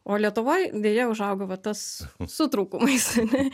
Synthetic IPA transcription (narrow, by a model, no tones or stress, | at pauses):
oːlʲiɛt̪ʊʋoːjd̪ʲeːjɛʊʒɐʊɡɐʋɐt̪ɐssʊt̪ɾuːkumɐɪsɐnʲɛ